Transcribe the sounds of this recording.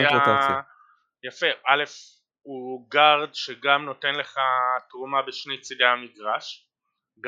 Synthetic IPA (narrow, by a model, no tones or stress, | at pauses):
a | jafe̞ʔale̞f | uɡaʁd̪ʃeɡamno̞tenle̞χatʁumabeʃnejt͡sideamiɡʁaʃ | ɡ